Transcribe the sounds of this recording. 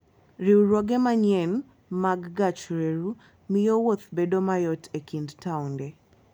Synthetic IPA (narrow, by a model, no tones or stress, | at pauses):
ɾiwuɾoɡɛmaɲɛn | maɡːat͡ʃɾeɾu | mɪjowot̪bedomajɔtʰekindtaundɛ